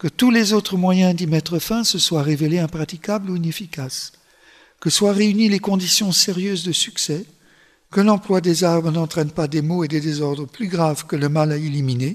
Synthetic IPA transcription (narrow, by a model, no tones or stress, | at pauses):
kət̪ulezot̪χəmwajɛ̃d̪imɛt̪χəfɛ̃səswaʁeveleɛ̃pχat̪ikʲabluinefikas | kəswaʁeynilekɔ̃d̪isjɔ̃seʁjøzd̪əsyksɛ | kəlɑ̃plwad̪ezaʁbʁənɑ̃t̪χɛnpad̪emoed̪ed̪ezɔʁd̪ʁəplyɡʁavkələmalailymine